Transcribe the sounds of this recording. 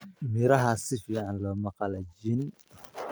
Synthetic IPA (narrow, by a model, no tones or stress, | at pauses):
mɪɾɐɦɐsɪfiːʕɑnlɔːmɑqɑlɐd͡ʒɪn